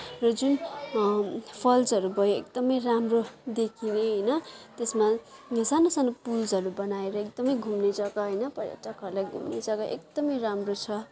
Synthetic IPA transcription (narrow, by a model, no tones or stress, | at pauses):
rʌd͡zun | pʰʌld͡zʌɾubʌjoḛkd̪ʌmʌjramrod̪ekʰineɦʌjnʌt̪esma | sanosanopuld͡zʌɾubʌnaeɾʌekd̪ʌmʌjɡʱumned͡zʌkʌɦʌjnʌpʌɾjʌ̰ʈʌkɦʌɾulajɡʱṵmnḛd͡zʌkʌʔekd̪ʌmʌjramrot͡sʰʌ